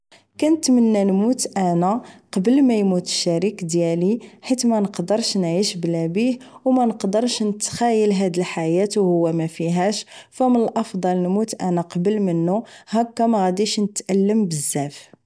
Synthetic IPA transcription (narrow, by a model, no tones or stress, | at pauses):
kænət̪mənːænmut̪ʔænæqɑbəlmæjmut̪ə̥ʃːæɾikd̪jæliħit̪mænəqd̪əɾˤʃnʕiʃblæbihwmænəqd̪əɾˤʃnət̪xæjːəlɦæd̪əlħajæt̪whʊwːæmæfiɦæʃfæmənəlʔɑfd̪ˤɑlnmut̪ʔænæqɑbəlmənːuhækːæmæɣæd̪iʃnət̪ʔælːəmbəzːæf